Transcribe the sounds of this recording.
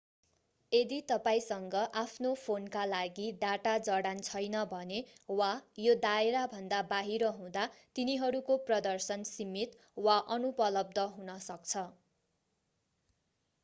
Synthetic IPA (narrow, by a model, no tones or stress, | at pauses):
ed̪it̪ʌpaĩsʌŋɡʌʔapʰnopʰonkalaɡiɖaʈad͡zʌɽant͡sʰʌjnʌbʱʌnewajod̪aeɾabʱʌnd̪abaɦiɾʌɦũd̪at̪iniɦʌɾukoprʌd̪ʌrsʌnsimit̪ | waʔʌnupʌlʌb̚d̪ʌɦunʌsʌk̚t͡sʰʌ